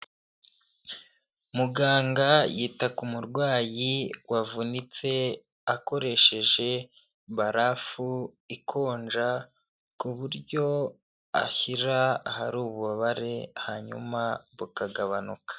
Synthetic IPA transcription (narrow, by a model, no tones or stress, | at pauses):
muɡaːŋɡajiːtakumuɾɡwaːjiwavunit͡se̞ | ako̞ɾe̞ʃe̞ʒe̞ | βaɾafu | ikʰo̞ːnd͡ʒa | kuβuɾɟo̞ | a̰çiɾahaɾuːβuβaβaɾe̞haɲṵmaβukaɡaβanukḁ